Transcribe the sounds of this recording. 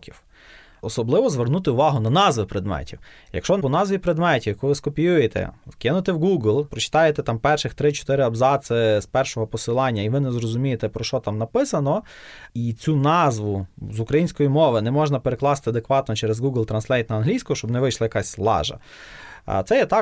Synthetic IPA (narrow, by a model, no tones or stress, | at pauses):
kʲiw | ɔsɔblˠɪʋɔzʋernut̪ɪʊʋɑɦʊnɐnɑzʋɪpɾed̪mɛ̰tʲiw | jɐ̰kʃt͡ʃɔpɔnɑzʋʲipɾed̪mɛtʲiwkɔʋɪskɔpʲijujet̪ɛ̰wkɪnʊt̪ewɡuɡlʲˠpɾɔt͡ʃɪ̥t̪ɑjet̪ɛt̪ɑmpɛrʃɪxt̪ɾɪt͡ʃɔ̥t̪ɪɾɪɐbzɑsɪspɛrʃɔɦɔpɔsɪlˠɑnʲːɐiʋɪnɛzrɔzʊmʲijet̪ɛpɾɔʃt͡ʃɔt̪ɑmnɐpɪsɐnɔit͡sʲunɑzʋʊzʊkɾɐjinʲsʲkɔjimɔʋɪnɛmɔʒnɐpeɾeklˠɑst̪ɪɐd̪ekʋɑt̪nɔt͡ʃɛɾezɡuɡlʲˠt̪ɾɐnslʲɛjt̪̚nɐɐnɦlʲijsʲkɔɔʃt͡ʃɔbnɛʋɪjʃlˠɐjɐkɑsʲslˠɑ̰ʒɐ̰ | t̪sɛjɐt̪ɑ